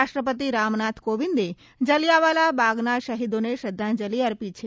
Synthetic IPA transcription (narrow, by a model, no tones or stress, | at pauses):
aʃʈɾəp̬ət̪iɾamnat̪ʰkoʋind̪e | d͡ʒəlijaʋalabaɡnaʃəɦid̪oneʃəd̪ʱːãnd͡ʒəliəɾpit͡ʃʰe